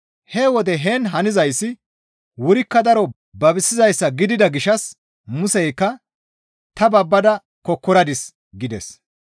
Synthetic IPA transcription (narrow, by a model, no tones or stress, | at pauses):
hɛwɔd̪ɛɦeːnɦɐnɪzɐjsːɪ | wʊɾɪkːɐd̪ɐɾɔ | bɐbɪsːɪzɐjsːɐɡɪd̪ɪd̪ɐɡɪʃɐs | mʊsɛjkːɐ | t̪ɐbɐbːɐd̪ɐ | kɔkːɔɾɐd̪ɪs | ɡɪd̪ɛ̰s